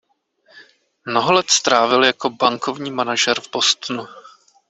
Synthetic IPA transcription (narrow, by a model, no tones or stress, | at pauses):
mnoɦolɛt̪st̪ɾaːvɪljako̞baŋko̞vɲiːmanaʒɛɾvbo̞st̪nu